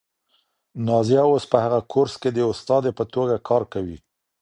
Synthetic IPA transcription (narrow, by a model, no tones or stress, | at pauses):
nɑzijaospəhaɣakʰoɾsked̪əʊst̪ɑd̪epət̪oɡakʰɑɾkawḭ